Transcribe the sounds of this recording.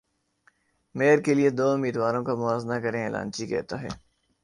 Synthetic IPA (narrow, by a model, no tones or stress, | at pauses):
meːɾkelied̪oːʊmiːd̪ʋaːɾõkamʊaːznakɐɾẽeːla̰ːnt͡ʃikɛ̰ːt̪aɦɛ̰ː